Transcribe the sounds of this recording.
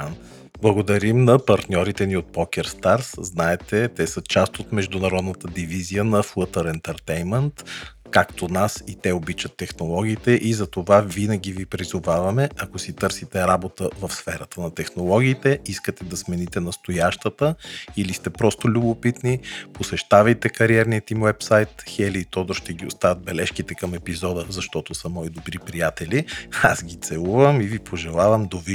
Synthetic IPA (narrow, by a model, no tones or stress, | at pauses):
blˠɐɡod̪ɐɾimnɐpɐɾt̪nʲɔɾit̪ɛniot̪̚pɔkʲɛɾst̪aɾsznaɛt̪ɛt̪ɛsət͡ʃast̪ot̪mɛʒd̪ʊnɐɾɔd̪nət̪əd̪ivizijənɐflˠət̪əɾɛnt̪əɾt̪ɛjmɛnt̪ | kakt̪onasit̪ɛobit͡ʃət̪ːɛxnolˠɔɡ̟ʲiːt̪ɛʔizɐt̪ovavinəɡ̟ʲivipɾizʊvavɐmɛʔɐkosit̪ɤɾsit̪ɛɾabot̪əvɐfsfɛɾət̪ənɐt̪ɛxnolˠɔɡʲiːt̪ɛiskət̪ɛd̪ɐsmɛnit̪ɛnɐst̪ojaʃt̪ət̪əilist̪ɛpɾɔst̪ʊlʲubopit̪niposɛʃt̪avɐjt̪ɛkɐɾiɛɾniət̪imwɛpsajt̪xɛliːt̪ɔd̪oʃt̪ɛɡʲiʊst̪avətd̪̚bɛlɛʃkit̪ɛkɐmɛpizɔd̪əzɐʃt̪ɔt̪osɐmɔid̪obɾipɾijat̪ɛliasɡʲit̪sɛlˠuvəmivipʰoʒɛlˠavɐmd̪ovi